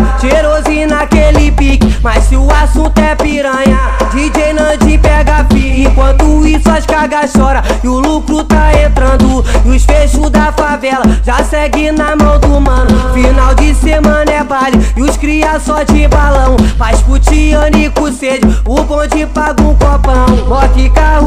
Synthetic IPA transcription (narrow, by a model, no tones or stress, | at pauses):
t͡ʃeɾozĩnakelɪpikimassɪʊasũnt̪ʊɛpiɾɐ̃ɲɐd͡ʒid͡ʒejnɐ̃d͡ʒĩpɛɡapiẽkwɐ̃nt̪ʊisaʃkaɡaʃɔɾɐʊlukɾut̪aẽnt̪ɾɐ̃nd̪ʊɪʊʃfeʃud̪ɐfavɛlɐʒasɛɡinɐmɐ̃w̃d̪ʊmɐ̃nʊfinawd͡ʒɪsemɐ̃nɐɛbaliɪʊʃkɾiasɔt͡ʃɪbalɐ̃w̃pajʃput͡ʃiɐ̃nikʊsed͡ʒʊupõt͡ʃɪpaɡũkopɐ̃w̃bɔkikahu